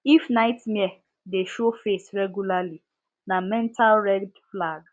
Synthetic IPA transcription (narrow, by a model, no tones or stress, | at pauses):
ifnaɪtmɛ | deʃofesɹɛɡjulali | namɛ̃ntʰalɹɛdflaɡ